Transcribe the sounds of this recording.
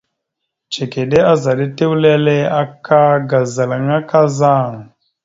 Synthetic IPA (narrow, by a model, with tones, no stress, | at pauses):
t͡ʃe˨ke˨ɗe˦a˦za˨ɗe˦te˦wu˦le˦le˦a˦kʰa˦ɡa˨za˨la˨ɲ˦a˦ka˦za˦˨ŋ˨